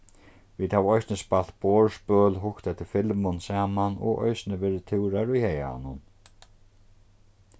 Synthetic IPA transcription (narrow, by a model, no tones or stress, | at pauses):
viːd̪̥haːvɔjsnɪspalt̪pɔːɹspœːlɦʊkt̪ɛt̪ʰɪɾfɪlmʊnsaːmanɔ̰ʔɔ̰jsnɪvɛːɾɪt̪ʰɪwɾaɾʊjhɛja̰ɔ̰nːʊn